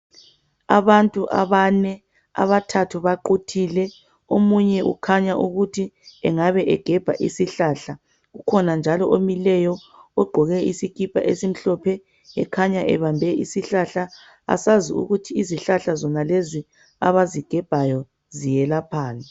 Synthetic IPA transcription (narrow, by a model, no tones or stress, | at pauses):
aβantʼuʔa̰βanɛ | a̰βatʰatʰuβaǃutʰiːlɛ | omuɲɛʔṵkʰaɲaʔuɣutʰiɛŋaβɛʔɛɡ̥ʱɛb̥ʱa̰ʔḭsiɬaːɬa | ɣukʰɔnand͡ʒʱalɔʔomilɛjɔɔɡ͡ǃʱɔɣɛisikʰʼipʰa̰ʔesim̩ɬɔpʰɛ | ɛkʰaɲaʔɛ̰βambʱɛʔisiɬaɬa | a̰saziṵɣutʰiːziɬaɬazɔnalezi | a̰βaziɡ̥ʱɛb̥ʱajɔ | zijɛlapʰaːlɛ